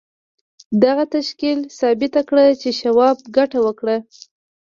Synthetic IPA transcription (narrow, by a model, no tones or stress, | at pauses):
d̪aɣat̪aʃkilsɑbɪt̪akɽət͡ʃeʃawɑb̚ɡaʈawəkɽə